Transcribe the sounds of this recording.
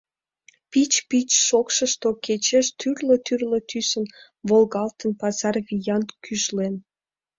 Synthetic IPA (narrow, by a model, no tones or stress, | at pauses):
pit͡ɕpit͡ɕʃokʃəʃt̪oket͡ɕeʃt̪yrlət̪yrlət̪ʰysən | βolɣɑlt̪ənpɑzɑrvijɑnt̪kʰyʃlen